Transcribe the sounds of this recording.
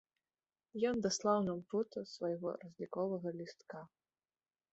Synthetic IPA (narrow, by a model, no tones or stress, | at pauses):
jɔnd̪aslˠawnampɔt̪ɐsvɐjɣɔ̰ɾɐzʲlʲikɔvɐɣɐlʲist̪ka